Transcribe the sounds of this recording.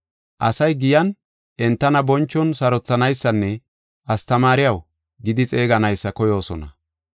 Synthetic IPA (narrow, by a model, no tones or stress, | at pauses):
ʔɐsɐjɡɪjɐn | ʔɛnt̪ːɐnɐbɔnt͡ʃːɔnsɐɾɔt͡sːɐnɐjsːɐnːɛ | ʔɐst̪ɐmaːɾɪjɐw | ɡɪd̪ɪt͡sʼe̞ːɡɐnɐjsːɐkɔjo̞ːsɔ̰nɐ̰